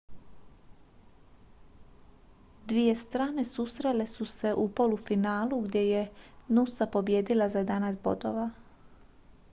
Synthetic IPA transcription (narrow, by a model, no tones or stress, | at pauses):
d̪ʋije̞st̪ɾaːne̞susɾe̞le̞suse̞ʔupo̞lufinaːlˠuɡd̪je̞jenusapo̞bje̞ːd̪ilazajed̪anazbo̞̰d̪o̰ʋa